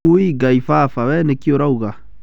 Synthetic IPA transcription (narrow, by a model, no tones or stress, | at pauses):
uiɡaifafawɛnekioɾauɣa